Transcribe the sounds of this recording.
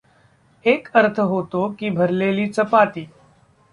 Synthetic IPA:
eːkəɾt̪ʰəɦot̪okiːbʱəɾleliːt͡səpat̪iː

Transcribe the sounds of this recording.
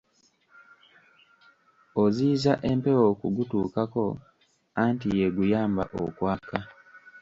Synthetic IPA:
oziːzaʔe̞mpe̞wokuɡutuːkako̞ | antije̞ɡujaːmba̰ʔo̰kwaːka

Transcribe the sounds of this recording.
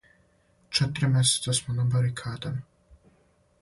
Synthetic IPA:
t͡ʃet̪ɾimʲjeset̪sasmonabaɾikʰaːd̪an

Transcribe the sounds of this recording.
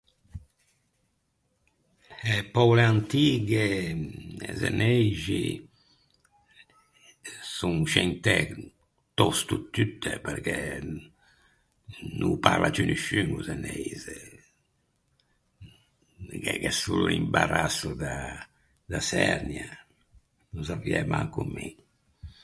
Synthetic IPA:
epɔwleant̪iɡe | ezḛnejʒi | suŋʃɛnt̪ɛ | t̪ɔst̪ut̪ːyt̪ːepɛɾkɛ | nʔupaɾlat͡ʃynyʃyŋɡuzɛnɛjze | kɛkɛsulimbaɾasud̪a | d̪asɛɾnja | nuzaviɛmaŋkumːi

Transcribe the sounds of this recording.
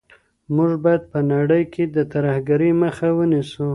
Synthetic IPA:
muʐbajad̪̚pənaɽəjkʰed̪ət̪aɾahɡaɾiməxawənisu

